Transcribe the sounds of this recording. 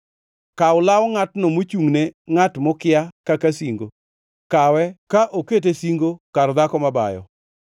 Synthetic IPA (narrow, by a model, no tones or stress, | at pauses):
kaʊlawɔŋatnomot͡ʃuŋneŋatmɔkɪjakakasiŋɡo | kawɛkaʔoket̬esiŋɡokaɾɔd̪akɔmaba̰jɔ̰